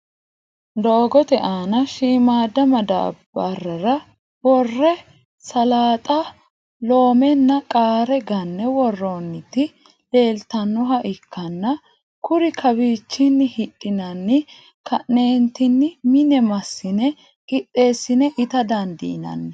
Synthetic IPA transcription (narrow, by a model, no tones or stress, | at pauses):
d̪oːɡɔt̪ɛʔaːnɐʃiːmaːd̪ɐmɐd̪a̰bɐrːɐɾɐ | wɔrːɛ | sɐlaːt̪ʼɐ | lo̞ːmɛnːɐkʼaːɾɛɡɐnːɛwɔrːonːɪt̪ɪ | le̞ːlt̪ɐnːʊɦɐʔɪkːɐnːɐ | kʊɾɪkʰɐbiːt͡ʃːɪnːɪhɪɗʼːɪnɐnːɪ | kʰɐʔne̞ːnt̪ɪnːɪmɪnɛmɐsːɪnɛ | ɡɪtʼːe̞ːsːɪnɛʔɪt̪ɐd̪ɐnd̪ɪ̰ɪnɐ̰nːɛ